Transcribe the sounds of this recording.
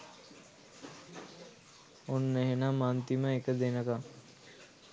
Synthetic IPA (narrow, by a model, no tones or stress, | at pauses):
onːeɦenamant̪iməekəd̪enəka